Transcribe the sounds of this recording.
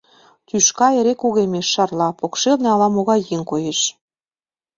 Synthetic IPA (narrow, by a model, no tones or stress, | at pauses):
t̪yʃkɑeɾekuɣemeʃːɑrlɑpokʃelnĕɑlɑmoɣɑjːeŋkojeʃ